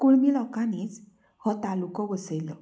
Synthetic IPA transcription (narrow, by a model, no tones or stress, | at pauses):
kuɭmilɔkanit͡s | hɔt̪alukɔbɔsejlɔ